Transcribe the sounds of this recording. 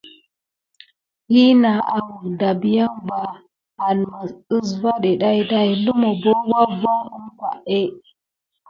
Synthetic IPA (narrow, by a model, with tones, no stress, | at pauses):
hi˦na˨ʔa˨wu˨da˨bi˨ja˦mba˨ | a˨n˨ma˨ə˦sva˦ɗe˨ɗa˦i˦da˦i˨lu˦mo˨bo˦wa˦va˦u˦mka̰˨ʔe˦